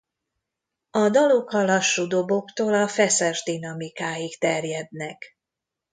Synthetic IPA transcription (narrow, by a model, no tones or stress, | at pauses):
ɒd̪ɒlokɒlɒʃːud̪obo̞kt̪oːlɒfɛsɛʒd̪inɒmikaːjikt̪ɛrjɛd̪nɛk